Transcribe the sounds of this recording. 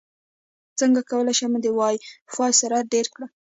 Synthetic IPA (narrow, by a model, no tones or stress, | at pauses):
t͡səŋɡakawəlajʃaməd̪ewɑjxɑjsaɾaɖeɾkɽa